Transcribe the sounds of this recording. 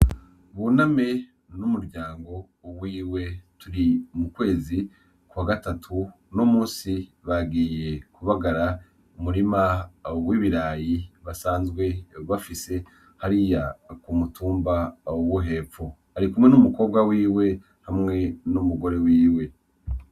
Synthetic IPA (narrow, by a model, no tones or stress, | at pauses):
βuname | numuɾɟaːŋɡo̞ | wiːwe̞tuɾimukwe̞ːzi | kwaːɡatatʰu | no̞muːnsiβaɡiːje̞kuβaɡaɾa | umuɾimawiβiɾaːjiβasaːnzɡwe̞βafise̞ | haɾijakumutuːmbawuɦe̞fo | aɾikumŋe̞numuko̞ːbɡawiːwe̞ | hamŋe̞numuɡo̞ɾe̞wiːwe̞